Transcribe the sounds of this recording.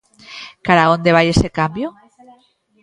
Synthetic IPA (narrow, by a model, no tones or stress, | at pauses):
kaɾao̞nd̪e̞β̞aje̞se̞kambjo